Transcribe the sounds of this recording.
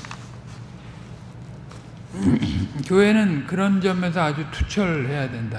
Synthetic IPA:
kjoɦe̞nɯnkɯɾʌnd͡ʑʌme̞s̬ʰʌad͡ʑutʰu̥t͡ɕʰʌɭhe̞jadwe̞nda

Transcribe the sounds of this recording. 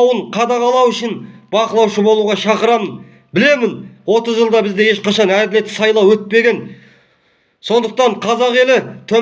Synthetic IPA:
wəɴqʰɑd̪ɑʁɑlˠɑwʏʃɪnbɑqəlˠɑwʃəbo̞lˠuʁɑʃɑqəɾɑmən | bɪle̞mɪnwo̞t̪əzʒəlˠd̪ɑbɪzd̪e̞je̞ʃqɑʃɑnæd̪ɪle̞t̪ːɪsɑjlˠɑwɵt̪̚pe̞ɡʲe̞n | so̞nd̪əq̚t̪ɑɴqʰɑzɑʁe̞lɪt̪ʰɵ

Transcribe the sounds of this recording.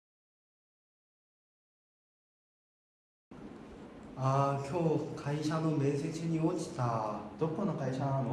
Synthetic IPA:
akʲʰokʰaiɕano̞me̞ːse̞t͡ɕiɲiot͡ɕi̥t̪ad̪̥okːonokaiɕano

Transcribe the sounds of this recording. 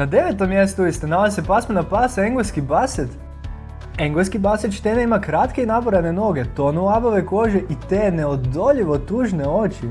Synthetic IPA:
nad̪e̞ʋet̪omːjest̪uuist̪enalazisepasmanapaseŋɡoskibaset̪ | eŋɡoskibaset̪ʃt̪eneimakɾat̪keinapoɾane̞no̞ɡet̪o̞nuaboʋeko̞ʒeʔit̪eːneod̪o̞ʎiʋo̞t̪uːʒneot͡ʃi

